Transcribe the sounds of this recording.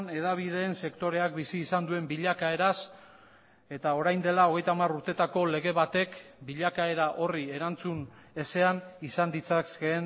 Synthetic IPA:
ne̞ðaβ̞iðe̞ːnse̞kt̪o̞ɾe̞ak̚bisiːsand̪ue̞mbiʎakae̞ɾas | e̞t̪ao̞ɾajnd̪e̞lao̞ɣ̞e̞jt̪amaruɾt̪e̞t̪ako̞le̞ɣe̞βat̪e̞kbiʎakae̞ɾaʔo̞rie̞ɾant͡sune̞se̞anisand̪it͡saen

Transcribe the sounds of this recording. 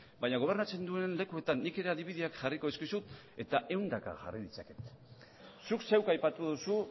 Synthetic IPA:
baɲaɣ̞o̞β̞e̞rnat͡se̞nd̪ue̞nle̞kue̞t̪anːike̞ɾe̞aðiβiðiakʝariko̞eskisut̪ | e̞t̪aʔe̞wnd̪aka̰ʝa̰riðit͡sake̞̥t̪ | sukse̞wkajpat̪uðusu

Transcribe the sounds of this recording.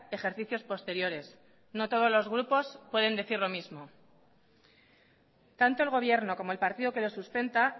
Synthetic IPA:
e̞xe̞ɾθiθjo̞spo̞st̪e̞ɾjo̞ɾe̞s | no̞t̪o̞ð̞o̞zlo̞zɣ̞ɾupo̞spwe̞ðe̞nd̪e̞θiɾlo̞mizmo̞ | t̪ant̪o̞e̞lɣ̞o̞β̞je̞ɾno̞ko̞mo̞e̞lpaɾt̪iðo̞ke̞lo̞sust̪e̞nt̪a

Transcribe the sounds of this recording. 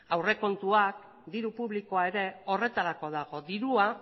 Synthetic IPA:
awre̞ko̞nt̪uak̚ | d̪iɾupuβliko̞ae̞ɾe̞o̞re̞t̪aɾako̞ðaɣ̞o̞d̪iɾua

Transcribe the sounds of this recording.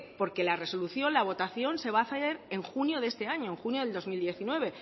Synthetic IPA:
po̞ɾke̞lare̞so̞luθjo̞nlaβ̞o̞t̪aθjo̞nse̞βaːθaeɾe̞ŋxunjo̞ðeest̪e̞aɲo̞e̞ŋxunjo̞ð̞eld̪o̞zmild̪je̞θinwe̞β̞e̞

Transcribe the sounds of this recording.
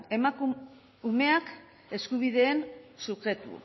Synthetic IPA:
e̞maku | ume̞ak | e̞skuβ̞iðe̞ːnsuxɾe̞t̪ṵ

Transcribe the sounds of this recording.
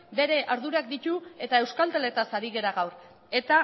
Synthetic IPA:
be̞ɾe̞ʔaɾðuɾak̚d̪it̪ue̞t̪ae̞wskalt̪ele̞t̪asaɾiɣe̞ɾaɣawɾ | e̞t̪a

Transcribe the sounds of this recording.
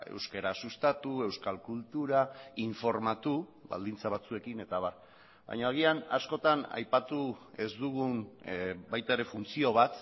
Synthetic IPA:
e̞̰wske̞ɾasust̪at̪ue̞wskalkult̪uɾaiɱfo̞ɾmat̪uβa̰ld̪int͡saβ̞at͡sue̞kine̞t̪aβar | ba̰jɲaaɣ̞iana̰sko̞t̪ana̰jpat̪ue̞zd̪uɣ̞unbajt̪aeɾe̞funt͡sio̞β̞at̪

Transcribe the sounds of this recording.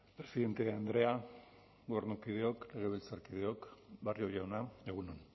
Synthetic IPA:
pɾe̞siðe̞nt̪e̞and̪ɾe̞a | ɣoernukiðeokle̞ɣ̞e̞βelt͡saɾkið̞eo̞kbarjojawnaeɣ̞unon

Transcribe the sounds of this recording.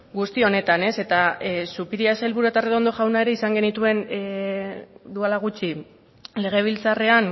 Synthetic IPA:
ɡust̪io̞ne̞t̪ane̞se̞t̪asupiɾiaselβuɾuat̪areo̞nd̪o̞ʝawnae̞ɾe̞isaŋɡe̞nit̪ue̞n | d̪ualaɣ̞ut͡ʃi | le̞ɣ̞e̞β̞ilt͡sare̞an

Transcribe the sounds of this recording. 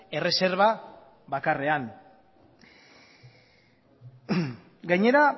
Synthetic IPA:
e̞re̞se̞ɾβa | βakare̞an | ɡajɲe̞ɾa

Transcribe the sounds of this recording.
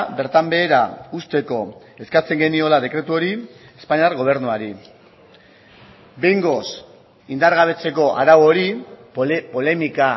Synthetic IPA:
be̞ɾt̪ambe̞ːɾa̰ust̪e̞ko̞ | e̞skat͡se̞ŋɡe̞nio̞lað̞e̞kɾe̞t̪uo̞ɾie̞spaɲiaɾɣo̞β̞e̞ɾnuaɾi | be̞jŋɡo̞s | ind̪aɾɣaβ̞e̞t͡se̞ko̞ʔa̰ɾawoɾi | po̞le̞mika

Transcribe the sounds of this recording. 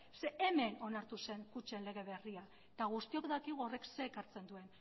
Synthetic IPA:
seːme̞no̞naɾt̪use̞ŋkut͡ʃe̞nle̞ɣ̞e̞β̞e̞ria | t̪aɣ̞ust̪io̞kðakiɣuore̞kse̞ːkaɾt͡se̞nd̪ue̞n

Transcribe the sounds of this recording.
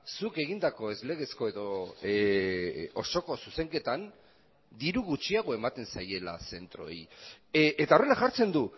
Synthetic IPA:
suke̞ɣind̪ako̞e̞zle̞ɣ̞e̞sko̞e̞ðo̞ | oso̞ko̞suse̞ŋke̞t̪an | d̪iɾuɣut͡ʃiaɣ̞o̞e̞mat̪e̞nsaje̞la̰se̞nt̪ɾo̞j | et̪aore̞laʝaɾt͡se̞nd̪u

